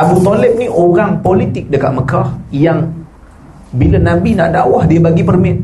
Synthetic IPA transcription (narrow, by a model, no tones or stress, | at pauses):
abut̪olɪp̚niʔoɾaŋpolit̪ɪk̚dəkat̪̚məkahjaŋ | bilənãbinaʔdawahdiəbaɡipərmɪt̪̚